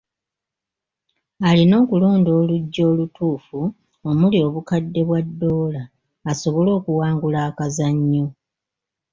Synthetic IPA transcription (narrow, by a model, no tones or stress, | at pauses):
alino̞ːkuloːndo̞ːluɟːo̞ːlutʰuːfu | omulio̞βukadːe̞βwadːo̞ːlaː | so̞βo̞lo̞ːkuwaːŋɡulaːkazaɲːo